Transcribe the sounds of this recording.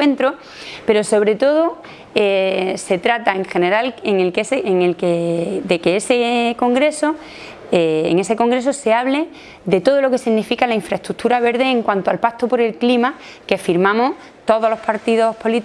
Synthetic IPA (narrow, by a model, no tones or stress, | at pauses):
went̪ɾo̞ | pe̞ɾo̞so̞β̞ɾe̞t̪o̞ðo | ese̞t̪ɾat̪aeŋxe̞ne̞ɾaleŋe̞lkeseeŋelked̪e̞keeseko̞ŋɡɾe̞so | eḛŋe̞se̞ko̞ŋɡɾe̞so̞se̞aβle̞ | d̪e̞t̪o̞ð̞oloke̞siɣnifikalaĩɱfɾaest̪ɾut̪ʰuɾaβ̞e̞ɾðe̞ːŋkwant̪oalpakt̪opo̞ɾe̞lklima | kefiɾmãmoh | t̪o̞ðolo̞spaɾt̪iðo̞hpo̞lit̪